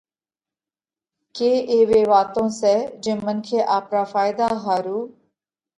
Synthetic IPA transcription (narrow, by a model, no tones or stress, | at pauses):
keːʔeːʋeːʋaːt̪õːsɛːd͡ʒɪ̃ːmənkʰeːʔaːpɾaːfaːɪd̪aːɦaːɾuː